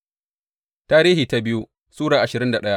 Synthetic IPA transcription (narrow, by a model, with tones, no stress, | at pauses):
taː˦ɾiː˦hiː˨ta˦bɪ˦ju˦ | suː˦ɽaː˨ʔa˨ʃɪ˨ɾɪ˦nda˨ɗɐ˦ja˦ʔ